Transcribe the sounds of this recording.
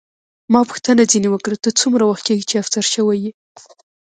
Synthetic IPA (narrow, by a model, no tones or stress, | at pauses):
mɑpu̥xt̪ənad͡zinewəkɽət̪ət͡sumɾawaxt̪̚keɡit͡ʃeafsaɾʃəwaji